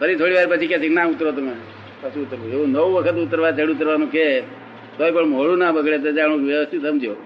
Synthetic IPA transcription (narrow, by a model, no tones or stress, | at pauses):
pəɾit̪ʰoɽiʋaɾpət͡ʃʰikeseknãut̪ɾot̪əme | pət͡ʃʰiːt̪əɾueũnəwʋəkʰət̪ut̪ːəɾʋat͡ʃəɽut̪̬əɾʋanũke | t̪oipəɳmoɽũnabəɡʱɭet̪ed͡ʒaɽ̃ũʋjəʋəst̪ʰit̪səmd͡ʒʱjo